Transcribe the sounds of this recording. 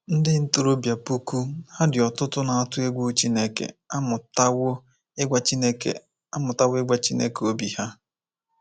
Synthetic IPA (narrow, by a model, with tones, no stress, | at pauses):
n̩˦dɪ˦n̩˦tʊ˨ɾo˦bja˨pu˦ku˦ha˦dɪ˨ɔ˨tʊ˦tʊ˦na˨a˦tʊ˦e˦ɡʷu˦t͡ʃi˦ne˦kḛ˨a˦mʊ˨ta˦wʊ˦ | e˦ɡʷa˦t͡ʃi˦ne˦kḛ˨ | a˦mʊ˨ta˦wʊ˦e˦ɡʷa˦t͡ʃi˦nḛ˦ke˨o˦bi˨ha˦